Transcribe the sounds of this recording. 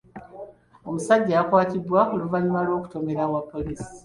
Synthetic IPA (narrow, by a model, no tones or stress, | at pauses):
o̞musaɟːaːkwaːtibwaoluvaɲumalwo̞ːku̥to̞me̞ɾawapːo̞liːsi̥